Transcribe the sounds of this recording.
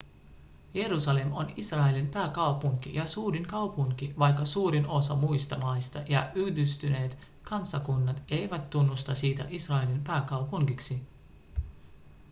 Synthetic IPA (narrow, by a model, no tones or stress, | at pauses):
je̞ɾusɑle̞mo̞nisrɑelinpæːkɑwpuŋkḭjɑsuːɾiŋkɑwpuŋkiʋɑjkːɑsuːɾino̞sɑmujst̪ɑmɑjst̪ɑjɑ̰ʔyhdyst̪yne̞ːt̪ | kɑnsːɑkunːɑt̪e̞jʋæt̪ːunːust̪ɑsiːt̪æ̰ʔisrɑelinpæːkɑwpuŋkiksi